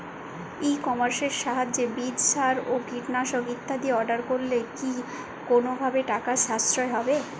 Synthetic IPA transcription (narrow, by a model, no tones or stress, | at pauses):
ejkɔmaɾʃeɾʃaɦad͡ʑebid͡ʑʃaɾoɡiʈnaʃokit̪ʰːad̪ieɔɾɖaɾkoɾleki | konobʱabeʈakaʃast̪ɾoeɦɔbe